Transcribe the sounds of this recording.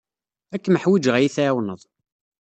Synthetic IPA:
ækːməħwid͡ʒʁæjiθæwnəðˤ

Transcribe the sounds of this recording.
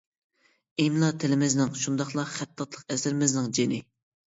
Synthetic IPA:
emlˠɑt̪ʰɪlɪmɪznɪŋʃund̪ɑχlˠɑχæt̪ʰːɑt̪lˠəqɛsɪɾɪmɪznɪŋd͡ʒenɪ

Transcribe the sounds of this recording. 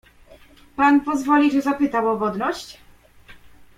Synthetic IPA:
panpɔzvɔlʲiʐɛzapɘt̪awɔvɔd̪nɔɕt͡ɕ

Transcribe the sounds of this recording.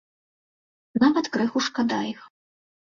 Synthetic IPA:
navɐt̪kɾɨxuʂkad̪ajix

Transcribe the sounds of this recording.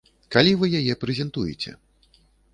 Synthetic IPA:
kalʲivɨjajɛpɾɛzʲɛnt̪ujɛ̰t͡sʲɛ̰

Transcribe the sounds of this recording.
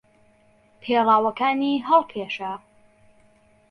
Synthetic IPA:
pʰeːrˤaːwɐkaːniɦɐlˠkʰeːʃɐ

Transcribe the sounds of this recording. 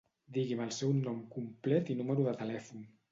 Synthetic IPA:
d̪iɣiməlˠsɛwnɔmkumplɛt̪inuməɾuðət̪əlɛfun

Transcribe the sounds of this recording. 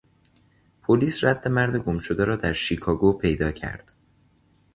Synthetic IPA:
pʰoliːsræd̪̥ːe̞mæɾd̪e̞ɡo̞mʃod̪eɾɒːd̪æɾʃiːkʰɒːɡopʰe̞jd̪ɒːcʰæ̰ɾd̪̥

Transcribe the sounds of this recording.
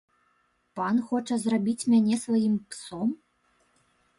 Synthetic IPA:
panxɔt͡ʂɐzrabʲit͡sʲmʲanʲɛsvajimpsɔm

